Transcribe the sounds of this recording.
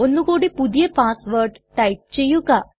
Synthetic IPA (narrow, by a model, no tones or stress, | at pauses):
onːukoɽipud̪jepasʋəɾʈ | ʈajp̚t͡ɕejuka